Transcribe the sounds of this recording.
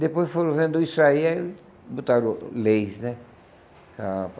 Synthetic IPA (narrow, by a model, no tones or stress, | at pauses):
d̪epojsfoɾõvẽnd̪ʊisaiɛl | but̪aɾõlejsnɛ | a